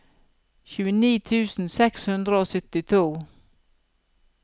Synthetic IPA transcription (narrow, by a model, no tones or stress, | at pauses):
çʉːəniːt̪ʰʉːsn̩sɛkshʉnd̪ɾəoːsʏt̪ɪt̪ʰuː